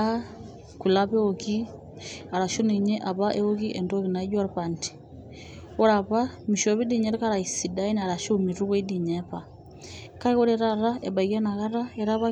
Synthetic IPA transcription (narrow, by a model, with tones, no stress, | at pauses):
a | ku˨laβɛ˦o˨ki˦ | a˨ɾa˨ʃo˦ni˨ɲɛ˦ʔa˨βa˦ʔɛ˦o˦ki˦ʔɛndɔ˦ki˨na˨i˦d͡ʒwa˦ɾpanti̥ | ɔ˦ɾaβa˦mi˨ʃɔ˨βi˦di˦˨ɲɛ˦ɾka˦ɾa˨isi˨da˦i˦na˨ɾa˨ʃo˦mi˨ɾu˦kwe˦di˨ɲɛpa | ka˦kɔ˦ɾɛɾa˦ɾa˦ʔɛ˨ba˨ikɛ˦na˨ɣa˦ɾa˦ɛ˨ɾa˦βa˦